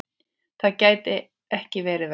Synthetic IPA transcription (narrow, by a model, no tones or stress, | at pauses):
θaðcaːjt̪ɪ | ɛhcɪvɛːɾɪv